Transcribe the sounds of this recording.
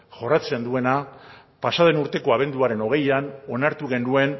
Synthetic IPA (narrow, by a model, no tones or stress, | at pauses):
ʝo̞rat͡send̪ue̞na | pasað̞e̞nuɾt̪e̞ko̞aβe̞nd̪uaɾe̞no̞ɣ̞e̞jano̞naɾt̪uɣe̞nd̪ue̞n